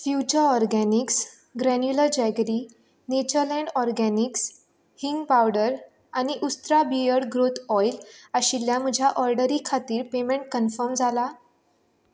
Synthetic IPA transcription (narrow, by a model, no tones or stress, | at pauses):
fjut͡ɕəɔɾɡæniks | ɡɾɛnjuləɾd͡ʑɛɡɾiː | net͡ɕəɾlɛ̃ɳɖɔɾɡæniks | hiŋɡpawɽəɾ | añiʔust̪ɾabijəɽɡɾot̪ʰɔjlaɕiljam̤əd͡ʑʱjaʔɔɾɖəɾikʰat̪iːɾpemẽɳʈ̚kənfəɾmd͡zʱala